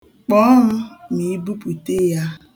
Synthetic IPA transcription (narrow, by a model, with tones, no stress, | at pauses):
k͡pɔ˦m̩˦mi˨i˦bu˦pu˨te˦ja˦